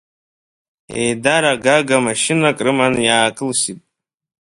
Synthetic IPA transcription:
ejdaɾaɡaɡamaʃɪnakʼrɨmanjaːkʰʼɨlsitʼ

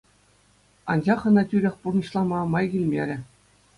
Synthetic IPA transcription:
ɑnd͡ʑɑχɤ̆nɑtʲyɾʲĕxʲpurnɤ̆ɕlˠɑmɑmɑjɡʲilʲmʲeɾʲɘ̆

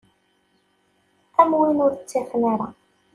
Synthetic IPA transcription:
æmwinʊɾt͡sːifnaɾa

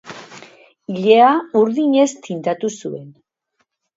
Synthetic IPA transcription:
iʎe̞auɾðiɲe̞st̪int̪at̪usue̞n

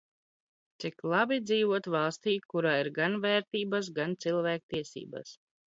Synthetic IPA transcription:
t̪siklˠabid̪ziːvuɔt̪valˠst̪iːkuɾaːiɾɡanvɛːɾt̪iːbas̬ɡant̪silˠvæːk̚t̪iɛsḭːba̰s

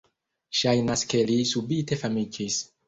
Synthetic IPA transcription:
ʃajnaske̞lisubite̞famid͡ʒis

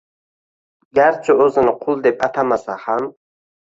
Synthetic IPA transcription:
ɡæɾt͡ʃʰɨɔzɨnɨqʰulˠd̪ɛp̚at̪ʰamasaχam

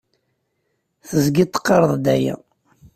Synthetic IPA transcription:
θəzɡit̪ːə̥qːɑɾˤəðˤd̪æjæ̰

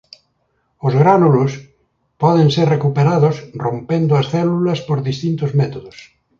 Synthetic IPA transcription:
ozɣɾanulos | pɔð̞eŋseɾrekupeɾaðosrompend̪oasθɛlulɐspoɾðist̪int̪ozmet̪oðos

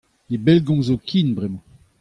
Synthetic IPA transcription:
ebɛlɡɔ̃zokʰinbʁɛmɑ̃

